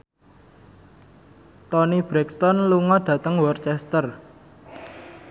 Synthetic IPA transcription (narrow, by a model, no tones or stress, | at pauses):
t̪ɔnib̥ɾɛkst̪ɔnluŋɔɖ̪̥ä̤t̪əŋwɔrt͡ʃɛst̪ər